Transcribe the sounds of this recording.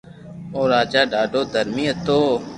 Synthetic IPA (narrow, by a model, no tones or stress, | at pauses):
oːɾaːd͡ʒaːɖaːɖoːd̪ʱəɾmĩːət̪oː